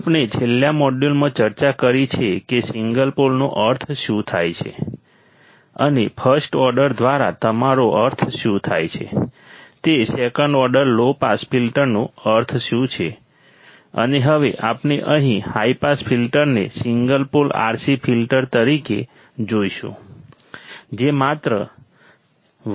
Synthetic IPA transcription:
apned͡ʒeljamɔɖjulmãt͡ʃəɾt͡ʃakəɾit͡ʃʰekesiŋɡəlpolnoʔəɾt̪ʰʃũt̪ʰa̰jt͡ʃʰḛ | ənepʰəɾsʈɔɾɖəɾd̪ʋaɾa̰t̪əmaɾoʔəɾt̪ʰʃjũt̪ʰa̰jt͡ʃʰḛ | t̪esekəɳɖɔɾɖəɾlopaspʰilʈəɾnõəɾt̪ʰʃũt͡ʃʰe | ə̰neɦəʋeʔapneʔəɦĩhaipaspʰilʈəɾnesiŋɡəlpola̰ɾsipʰilʈəɾt̪əɾike | d͡ʒoiʃṵ̃ | d͡ʒemat̪ɾə

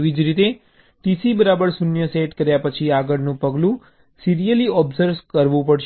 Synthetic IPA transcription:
ʋid͡ʒɾit̪e | ʈisibəɾabəɾsunjəseʈkəɾjapət͡ʃʰiaɡəɽnũpəɡlũ | siɾijəliɔbzəɾʋkəɾʋũpəɽʃ

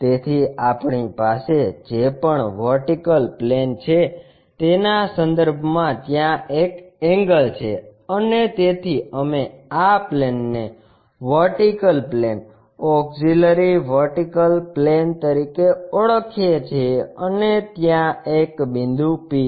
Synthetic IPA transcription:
t̪et̪ʰiapɳipased͡ʒepəɳʋəɾʈikəlplent͡ʃʰe | t̪enasənd̪əɾbʱmãt̪jãekɛŋɡəlt͡ʃʰḛənet̪et̪ʰiəmeaplenːe | ʋəɾʈikəlplen | ɔkziləɾiʋəɾʈikəlplent̪əɾikeəɭəkʰjet͡ʃʰeənet̪jãekbĩnd̪ʱupi

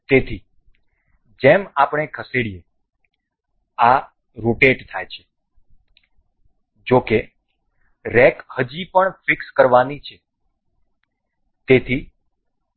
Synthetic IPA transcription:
t̪et̪ʰi | d͡ʒemapɳ̃ekʰəseɽije | a | ɾoʈeʈt̪ʰajt͡ʃʰe̥ | d͡ʒoke | ɾɛkhəd͡ʒipəɳfɪkskəɾʋanit͡ʃʰe | t̪et̪ʰi

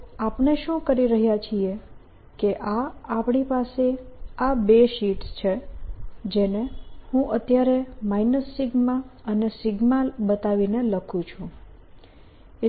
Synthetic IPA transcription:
apɳeʃũkəɾiɾəɦjat͡ʃʰie | keʔaapɳipaseabeʃiʈst͡ʃʰe | d͡ʒenehũʔət̪jaɾemainəsːiɡmaənesɪɡmalbət̪aʋineləkʰũt͡ʃʰũ | e

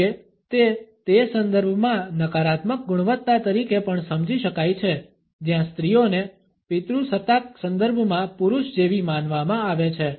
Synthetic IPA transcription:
e | t̪et̪esə̃nd̪əɾbʱmãnəkaɾat̪mək̚ɡʊɽ̃ʋət̪ːat̪əɾikepəɳsəmd͡ʒiʃəkajt͡ʃʰe | d͡ʒjãst̪ɾijone | pɪt̪ɾusət̪ak̚sə̃nd̪əɾbʱmãpuɾuʃd͡ʒeʋimanʋamãaʋet͡ʃʰe

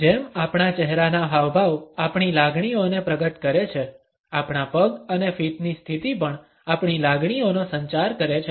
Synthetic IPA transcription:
d͡ʒemapɳ̃at͡ʃɛɦɾanaɦaʋbʱaʋapɳilaɡɳ̃ionepɾəɡət̪kəɾet͡ʃʰe | apɳapəɡənefiʈ̪nist̪ʰit̪ipəɳ | apɳ̃ilaɡɽ̃ionosəɲt͡ʃaɾkəɾet͡ʃʰe

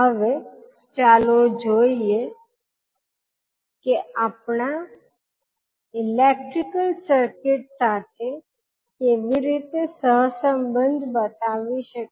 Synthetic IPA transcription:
ɦəʋe | t͡ʃaːlod͡ʒʱoije | kiapɳa | ilek̚ʈɾikəlsəɾkɪʈ̚sat̪ʰe | keːʋiɾit̪esəɦsəmbənd̪ʱbət̪aːʋiʃək

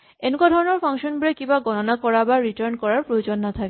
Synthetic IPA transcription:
enukad̪ʱɔɾoneɾfaŋʃonbulekibaɡɔnonakɔɾabaɾiʈaɾnkɔɾaɾpɾood͡ʑonːat̪ʰake

